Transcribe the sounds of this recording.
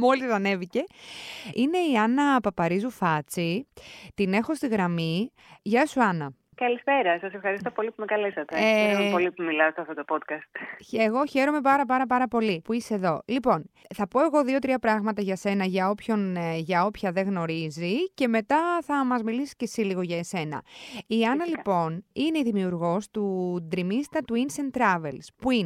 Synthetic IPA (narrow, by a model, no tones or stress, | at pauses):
mo̞lisɐne̞vice̞ | ine̞iɐnɐpɐpɐɾizufɐt͡sit̪ine̞xo̞st̪iɣɾɐmi | ʝɐsuɐnɐ | kɐlispe̞ɾɐsɐsefxɐɾist̪o̞po̞lipumekɐlesɐt̪eeɾɾompo̞lipumilɐst̪oɐft̪ot̪opot̪kɐst̪çeɣo̞çe̞ɾo̞me̞pɐɾɐp̬ɐɾɐpɐɾɐpo̞lipuiseðo̞lipo̞n | θɐpo̞e̞ɣo̞ðio̞t̪ɾiɐpɾɐɣmɐt̪ɐʝɐse̞nɐʝɐo̞pço̞nʝɐo̞pçɐðe̞ɣno̞ɾizice̞me̞t̪ɐθɐmɐzmilisi̥ce̞siliɣo̞ʝɐese̞nɐ̰iɐnɐlipo̞nine̞iðimiuɾɣo̞st̪ud̪ɾimist̪ɐt̪uinsent̪ːɾɐve̞lspuin